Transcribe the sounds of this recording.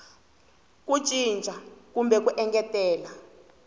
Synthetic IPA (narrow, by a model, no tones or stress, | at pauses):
k̬u̥t͡ʃʼind͡ʒʱakumbɛk̬uʔɛŋɡɛtɛːla